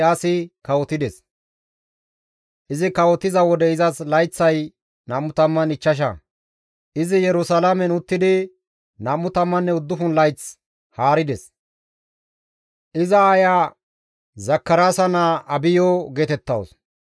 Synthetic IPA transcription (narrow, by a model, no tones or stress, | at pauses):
aːsɪkɐwɔt̪ɪd̪ɛs | ʔɪzɪkɐwɔt̪ɪzɐwɔd̪ɛɪzɐslɐjt͡sːɐj | naːmːʊt̪ɐmːɐnɪt͡ʃːɐʃ̬ɐ̰ | ʔɪzɪjɛɾʊsɐlamɛnʊt̪ːɪd̪ɪ | naːmːʊt̪ɐmːɐnːɛʊd̪ːʊfʊnlɐjt͡s | haːɾɪd̪ɛs | ʔɪzɐːjaː | zɐkːɐɾaːsɐnaɐbɪjɔɡeːt̪ɛt̪ːɐ̰ws